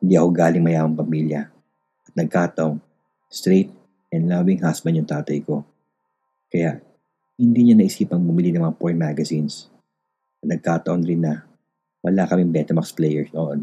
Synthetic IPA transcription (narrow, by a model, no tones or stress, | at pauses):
hɪnd̪iʔɐko̞ɡaːlɪŋmɐjaːhɐŋpɐmiːljɐ | ʔɐt̪̚nɐɡ̚kaːt̪ɐʔoŋ | st̪ɾet̪̚ | ʔɛnd̪laːbɪŋɦasbɐnd̪jʊŋt̪aːt̪ɐjko̞ | kɐjaʔ | hɪnd̪iɲonɐʔɪsiːpɐŋbʊmɪlinɐŋmɐŋapoɹt̪̚maːɡɐsins | ɐnɐɡ̚kaːt̪ɐʔonɾɪnːɐ | wɐlakɐmɪŋbɛt̪ɛmɐksplɛjɛɹsnoʔon